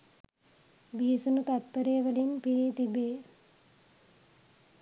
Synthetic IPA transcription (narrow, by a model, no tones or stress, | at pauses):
bisunut̪ɐt̪̚pɐɾeːʋɐlinpiɾit̪ibeː